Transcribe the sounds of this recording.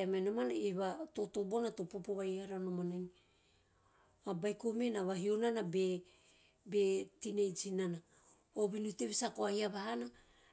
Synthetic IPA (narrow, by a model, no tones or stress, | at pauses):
amajnomanaeβato̞to̞bo̞nato̞popoβajaɾanomanani | abajko̞menaβaɦionanabe | be̞tinejd͡ʒinana | oβinuteβisakoaiaβahana